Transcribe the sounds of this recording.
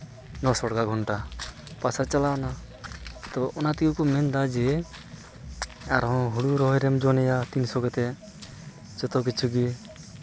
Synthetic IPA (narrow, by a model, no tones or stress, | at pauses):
nɔsɔɽɡaɡʱɔɳʈapasat͡ʃalana | t̪ɔʔɔnat̪ikukɔmɛnd̪ad͡ʒe | aɾɔ̃ɦuɽuɾɔɦɔjɾɛmd͡ʒɔnɛjat̪insɔɡɔt̪ɛ | d͡ʒɔt̪ɔk̬it͡ʃʰuɡi